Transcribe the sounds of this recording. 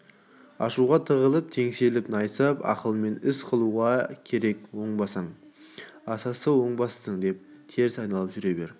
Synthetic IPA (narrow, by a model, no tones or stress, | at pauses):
ɑʃuʁɑt̪ʰəʁəlˠəp̚t̪ʰe̞ŋse̞lɪpnɑjsəpɑ̰qəlˠme̞nɪsqʰəlˠuʁɑkʲʰe̞ɾe̞kwo̞ɴbɑsɑɴ | ɑsɑsəwo̞ɴbɑst̪əɴd̪e̞p̚t̪ʰe̞ɾzɑjnɑlˠəpʒʏɾe̞be̞ɾ